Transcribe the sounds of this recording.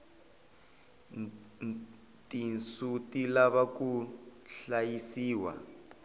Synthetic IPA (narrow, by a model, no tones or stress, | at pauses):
tinsutilaβakuɬajisiːwa̰